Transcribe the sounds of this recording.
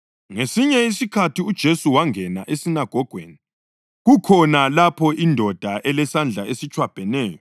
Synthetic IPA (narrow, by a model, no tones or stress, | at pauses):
ŋesiɲɛisikʰatiud̥ʒ̥ʱesuwaŋɛna̰ʔesinaɡ̥ʱɔɡ̥ʱwḛːni | ɣukʰɔnalapʰɔindʱɔd̥ʱaʔɛlɛsand͡ɮʱaesit͡ʃʰʼwab̥ʱɛnɛːjɔ